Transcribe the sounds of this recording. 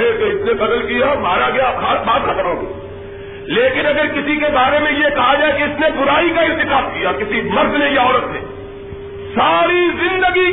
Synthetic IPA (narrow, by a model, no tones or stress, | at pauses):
et̪oɪsnebɐd̪əlkijamaːɾaɡɐjakʰaːbaːt̪xʰɐt̪əɾɦõ̰ːɡḛ | leːkɪnɐɡəɾkɪsikebaːɾemẽjekɐɦad͡ʒaːekiɪsnebʊɾaːikaɪɾt̪ɪkaːt̪̚kijakɪsimɐɾd̪lejaɔːɾət̪nḛː | saːɾizɪ̃nd̪əɡi